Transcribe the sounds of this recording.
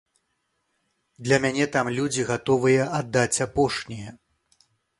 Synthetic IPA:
d̪lʲɐmʲanʲɛt̪amlʲud͡zʲiɣat̪ɔvɨjɐʔad̪ːat͡sʲapɔʂnʲijɐ

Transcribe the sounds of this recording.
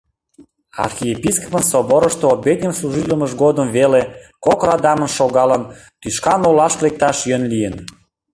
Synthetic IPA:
ɑ̰rxiepiskopənsoboɾəʃt̪oobet̪̚ʲnʲəmsluʒit̪ləməʒɡod̪əmvelekokɾɑd̪ɑmənʃoɣɑlən | t̪yʃkɑnolɑʃklek̚t̪ɑʃjønlijən

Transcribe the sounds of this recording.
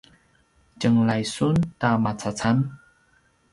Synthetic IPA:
t͡ɕəŋlajsuntamat͡sat͡san

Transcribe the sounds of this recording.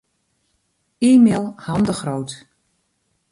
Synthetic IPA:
iːmeːlˠhɑndəχrowt

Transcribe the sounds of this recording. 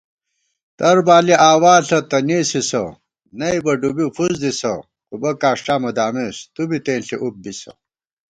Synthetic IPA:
t̪ɐɾbaːliaːwaːɬɐt̪ɐniːsisɐ̰ | nɐjbɐɖubifuzd̪isɐ̰ | kubɐkaːʂʈaːmɐd̪aːmest̪ubit̪ẽːnɬiʔup̚bisɐ̰

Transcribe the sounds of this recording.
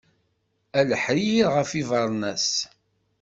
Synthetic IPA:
æləħɾiiʁəfivɑɾˤnæs

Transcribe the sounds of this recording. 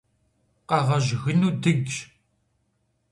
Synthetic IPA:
qɑʁəʒɣənud̪əɡ

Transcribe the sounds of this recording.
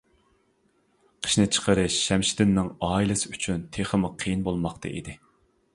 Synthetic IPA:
qʰə̥ʃnɨt͡ʃʰə̥qʰəɾɨʃːɛmʃi̥d̪ɪnːɪŋɑːilˠɨsɪyt͡ʃʰynt̪ʰeχəmʊqʰəjinbolˠmɑχt̪ʰɨ̰ʔḭd̪ɪ

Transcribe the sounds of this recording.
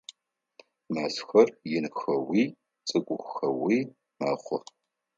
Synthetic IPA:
maːsxɐrjɪnxɐwiː | t͡sʼɨɡʷʼʊxxɐwiː | maχʷʊ̰r

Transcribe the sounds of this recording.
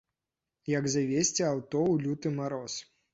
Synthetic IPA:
jɐɡzavʲesʲt͡sʲiawt̪ɔwlʲut̪ɨmaɾɔs

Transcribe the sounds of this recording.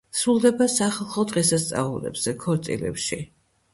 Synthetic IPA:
sɾulˠd̪ɛbasaχalˠχɔd̪ʁɛsast̪sʼa̰ulɛ̰bz̥ɛkʰɔɾt̪ʼḭlɛ̰pʃi

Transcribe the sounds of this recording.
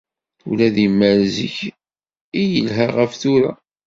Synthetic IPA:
ṵlæðimːæɾziç | ijəlɦæʁəfθuɾæ̰

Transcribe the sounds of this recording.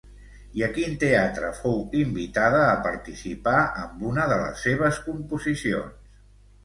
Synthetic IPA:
iəkint̪eat̪ɾə̰fowimbit̪aðəːpəɾt̪isipaʔəmbunəðələ̰sːeβ̞əskumpuzisio̰ns

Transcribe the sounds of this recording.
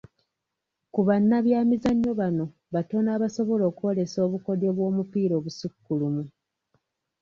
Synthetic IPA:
kuβanːaβjaːmizaɲːo̞βano̞ | βato̞naːβaso̞βo̞lo̞ːkuo̞le̞so̞ːβuko̞de̞βwo̞ːmupiːɾo̞ːβusukːulumu

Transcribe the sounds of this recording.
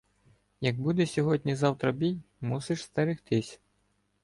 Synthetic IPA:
jɐɡ̚bud̪ɛsʲɔɦɔdʲnʲizɑwt̪ɾɐbʲijmusɪʃst̪ɐɾɪxt̪ɪsʲ

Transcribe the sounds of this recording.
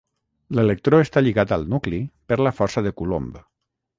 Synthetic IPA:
lelək̚t̪ɾoest̪aʎiɣat̪ə̰lˠnuklipəɾləfɔɾsəðəkulo̰mb

